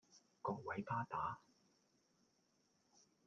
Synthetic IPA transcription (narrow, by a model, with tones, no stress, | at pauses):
kɔː˧k̚wɐ˨˥jpʰaː˥t̪aː˨˥